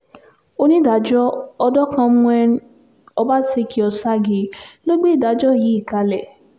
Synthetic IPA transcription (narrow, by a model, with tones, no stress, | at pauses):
o˦nĩ˦da˨˦d͡ʒɔ˦ɔ˧dɔ˦kã˧mũ˧˦ɛ˧n̩˦ | ɔ˧ba˦se˧kʰi˦ɔ˧sa˦ɡe˧lo˦ɡ͡be˦i˦˨da˨˦d͡ʒɔ˦˨ji˨˦i˦˨ka˧lɛ˦˨